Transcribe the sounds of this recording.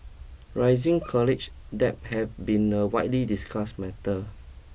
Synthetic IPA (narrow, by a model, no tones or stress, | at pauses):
ɹajzĩŋkʰɔlit͡ʃ | dɛp̚hɛvbĩnəwaɪjtlidiskʰasmɛtə